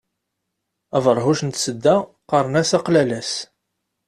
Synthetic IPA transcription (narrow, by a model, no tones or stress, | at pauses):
ævəɾˤɦuʃnt̪səd̪ːæqɑɾˤnæsɑqlælæs